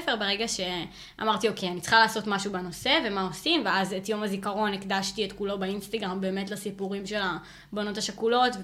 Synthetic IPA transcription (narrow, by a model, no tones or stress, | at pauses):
feʁbeʁeɡaʃe̞ | a̰maʁt̪io̞kejanitt͡sχalaːso̞tmaʃubeno̞se̞ve̞mao̞simveazetjo̞mazikaʁo̞nekdaʃtietkulo̞beinst̪aɡʁambe̞ːme̞tlasipuʁimʃe̞la | bono̞taʃakulo̞tv